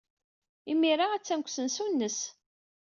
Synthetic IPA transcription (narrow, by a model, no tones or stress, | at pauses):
imiɾaæt͡sːænkʷːsənsunːəs